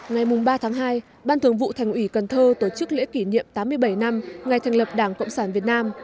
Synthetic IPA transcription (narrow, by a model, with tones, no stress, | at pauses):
ŋa˨˩jmʊ˨˩ŋ͡mɓaː˧t̪ʰaː˨˦ŋɦaː˧j | ɓaː˧nt̪ʰɨ˨˩əŋvṵ˧˨t̪ʰa˨˩jŋ̟ʔi˧˩kə˨˩nt̪ʰəː˧t̪o˧˩t͡ɕɨ˦˥k̚lḛ˧˥ki˧˩ɲḭ˧˨əmt̪aː˨˦mːɨ˧əjɓə˧˩jna˧mŋa˨˩jt̪ʰɛ˨˩jŋ̟lə˨˩p̚ɗaː˧˩ŋkə̰˧˨wŋ͡msaː˧˩nvi˨˩ət̚naː˧m